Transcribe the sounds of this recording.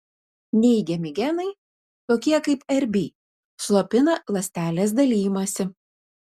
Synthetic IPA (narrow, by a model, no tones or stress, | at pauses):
nʲɛɪɡʲɛmʲɪɡʲɛnɐɪ | t̪oːkʲiɛkɐɪpɛɾʲbʲiː | slˠoːpʲɪnɐlˠɐsʲt̪ʲæːlʲeːs̬d̪ɐlʲiːjɪmusʲɪ